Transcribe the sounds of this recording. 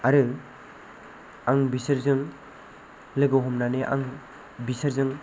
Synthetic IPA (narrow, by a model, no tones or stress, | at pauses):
aɾɯ | aŋbisɯɾzɯŋ | lɯɡoɦɔmnaneʔa̰ŋ | bisaɾzɯŋ